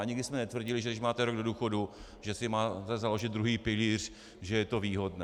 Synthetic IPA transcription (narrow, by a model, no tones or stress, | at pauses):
aɲɪɡdɪsmɛnɛt̪vr̩ɟɪlɪʒɛdɪʃmaːt̪ɛɾoɡdo̞duːxo̞du | ʒɛsɪmaːt̪ɛzalo̞ʒɪd̪̚d̪ɾuɦiːpɪliːr̝̥ | ʒɛjɛt̪o̞viːɦo̞dnɛː